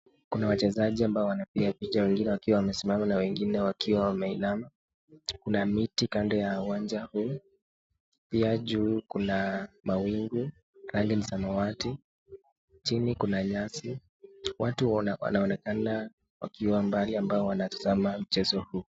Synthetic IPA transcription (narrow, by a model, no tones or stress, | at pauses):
kunawat͡ʃɛzaʄiambaɔwanapiapit͡ʃawɛŋɡinɛwakiwawamɛsimamanawɛŋɡinɛwakʰiwawamɛilama | kunamitikandɛjauwand͡ʒahuː | piaʄuːkunamawiŋɡu | ɾaŋɡɛnisamɔwati | t͡ʃinikunaɲasi | watuwa̰naɔnɛkana | wa̰kiwambaliambaɔwanati̥zamam̩t͡ʃɛzɔhuː